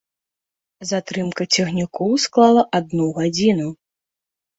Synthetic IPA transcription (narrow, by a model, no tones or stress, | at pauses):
zat̪ɾɨmkɐt͡sʲɛɣnʲikʰɔwsklˠalˠɐʔad̪̚nuɣad͡zʲinu